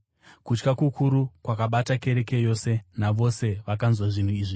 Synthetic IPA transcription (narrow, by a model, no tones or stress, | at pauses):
kut͡ʃkakukʰuɾukwakaɓatake̞ɾe̞ke̞jo̞se̞naʋo̞se̞ʋakanzwaʐin̤uiːʐi